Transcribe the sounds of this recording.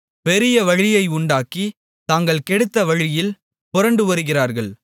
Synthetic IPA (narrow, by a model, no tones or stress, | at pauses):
pɛɾɪjɐʋɐɻɪjɐɪʊɳɖaːkːi | t̪aːŋɡɐɭkɛɽɯt̪ːɐʋɐɻɪjɪl | pɔɾɐɳɖɯʋɐɾɯɣɪraːɾɣɐɭ